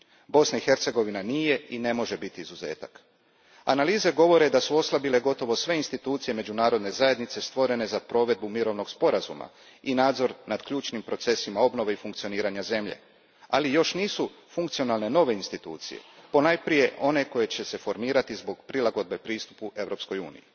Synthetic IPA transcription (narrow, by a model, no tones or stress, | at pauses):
bo̞snaixe̞ɾt̪se̞ɡo̞ʋinanije̞ine̞mo̞ʒe̞bit̪iizuze̞̰ːt̪ak | a̰naliːze̞ɡo̞ʋo̞ɾe̞d̪asuo̞slˠabile̞ɡo̞t̪o̞ʋo̞sʋe̞inst̪it̪uːt̪sije̞me̞d͡ʑunaːɾo̞d̪ne̞zaje̞d̪nit̪se̞st̪ʋo̞ɾe̞ne̞zapɾo̞ʋe̞d̪̚bumiɾo̞ʋno̞ɡspo̞ɾazṵma̰ | inaːd̪zo̞ɾnad̪kʎuːt͡ʃnimpɾo̞t̪se̞simao̞bno̞ʋeifuŋkt̪sio̞niːɾaɲaze̞mʎe̞̰ | alijo̞ʃniːsu | fuŋkt̪sijo̞nalˠne̞no̞ʋe̞inst̪it̪ṵːt̪sḭjḛpo̞najpɾije̞ʔo̞ne̞ko̞je̞t͡ɕe̞se̞fo̞ɾmiːɾat̪izbo̞ɡpɾilaɡo̞d̪̚be̞pɾiːst̪u̥pue̞ʋɾo̞ːpsko̞jṵːnḭji